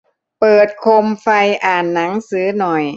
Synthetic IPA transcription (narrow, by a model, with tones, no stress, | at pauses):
pɤː˨˩t̪̚kʰo˧mfa˧jʔaː˨˩nːa˩˦ŋsɯː˨˩˦nɔ˨˩j